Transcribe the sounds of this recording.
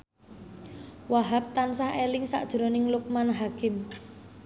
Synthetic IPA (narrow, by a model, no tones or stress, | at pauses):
waɦap̚t̪ansahelɪŋsa̰ʔd̥ʒ̥ɾonɪŋluk̚manɦakɪm